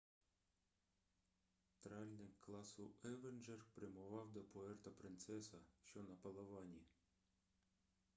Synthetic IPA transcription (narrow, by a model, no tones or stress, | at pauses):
t̪ɾɑlʲnɪkkːlˠɑsʊɛʋend͡ʒerpɾɪmʊʋɑwd̪ɔpɔɛrt̪ɐpɾɪnt̪sɛsɐʃt͡ʃɔnɐpɐlˠɐʋɑnʲi